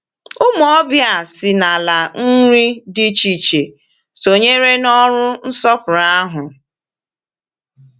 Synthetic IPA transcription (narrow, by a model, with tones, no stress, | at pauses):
ʊ˦m˦ɔ˦bja˨sɪ˨na˨la˨n̩˦ɾi˦dɪ˦t͡ʃi˨t͡ʃe˨ | so˨ɲe˦ɾe˦nɔ˦ɾʊ˦n̩˦sɔ˦pʊ˨ɾa˦ɦʊ˨